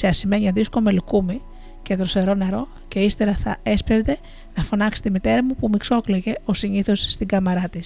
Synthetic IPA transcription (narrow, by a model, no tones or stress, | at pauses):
seɐsime̞ɲɐðiskomelukumi | ce̞ðɾoseɾo̞neɾo̞ | ce̞ist̪eɾɐθɐespevd̪e̞ | nɐfo̞nɐkst̪imit̪e̞ɾɐmupumikso̞kleʝe̞o̞siɲiθo̞sːt̪iɡɐmɐɾɐt̪is